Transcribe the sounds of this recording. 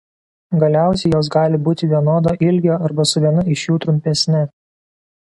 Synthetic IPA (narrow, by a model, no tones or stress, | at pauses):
ɡɐlʲæˑʊsʲɛɪjoːs̬ɡɑːlʲɪbuːt̪ʲɪʋʲiɛnoːd̪oːʔɪlʲɡʲoːʔɐɾbɐsʊʋʲiɛnʊɪʃjuːt̪ɾʊmʲpʲɛsʲnʲɛ